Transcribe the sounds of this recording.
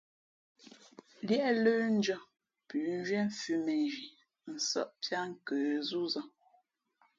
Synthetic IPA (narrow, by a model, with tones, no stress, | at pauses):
ljɛ˦ʔlə˦n̩˦d͡ʒə˦˨ | pʉ˨n˦ʒɥɛ˦m˦˨fʉ˨mɛ˨nʒi˨ | n̩˨sə̰˦ʔpja˦ŋ̩˦kə˨zu˦zə˦˨